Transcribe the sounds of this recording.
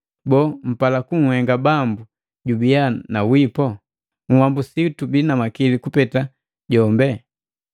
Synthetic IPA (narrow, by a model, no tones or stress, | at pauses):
bɔːm̩palakuŋ̩hɛŋɡabambu | ɟubianawipɔ | ŋ̩wambusitubinamakilikupɛta | ɟɔmbɛ